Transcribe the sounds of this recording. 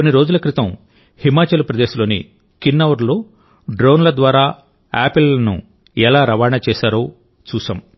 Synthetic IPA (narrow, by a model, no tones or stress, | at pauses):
onːiɾo̞ːd͡ʒulɐkɾit̪ɐm | himaːt͡ʃɐlɐpɾɐd̪eːʃɐlo̞ːnḭ | kinːɐʋɐɾlo̞ː | ɖɾoːnlɐd̪ʋaːɾaː | aːpilɐnṵ | ɛlaːɾɐʋaːɳɐt͡ʃɛːʃaːɾo̞ː | t͡ʃuːʃa̰ːm